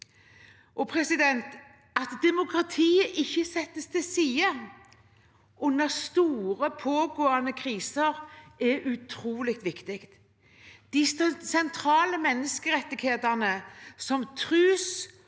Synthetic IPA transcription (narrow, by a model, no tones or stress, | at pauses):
ʔɔpʰɾɛsɪd̪ɛnt̪ | ɑt̪d̪ɛmʊkʰɾɑt̪ʰiːəʔɪçːəsɛt̪ːəst̪ɪsiːə | ʔʊnːəst̪uːɾəpʰoːɡoːɑnəkʰɾiːsəɾɛʔʉt̪ʰɾuːlɪk̚t̪ʋɪkt̪ɪkt̪ | d̪̥ɪsɛnt̪ʰɾɑːləmɛnːəskəɾɛt̪ːɪɡheːd̪ɑnəsɔmt̪ʰɾʉːs